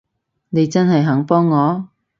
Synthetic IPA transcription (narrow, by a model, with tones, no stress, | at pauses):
ne˨˧jt͡sɐ˥nɦɐ˨jɦɐ˨˥ŋpɔː˥ŋːɔː˨˧